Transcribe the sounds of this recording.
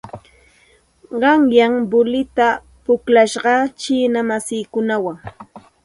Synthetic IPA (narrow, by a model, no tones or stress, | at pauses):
ɢɑŋjaŋbʊlɪt̪a | pʊklaʃɢɑt͡ʃiːnamasiːkʊnawaŋ